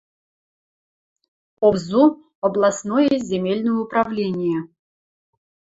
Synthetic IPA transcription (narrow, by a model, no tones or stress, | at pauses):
ɔbzu | ɐblˠasnɔjəzʲemʲelʲnəjəʊpɾavlʲenʲɪjə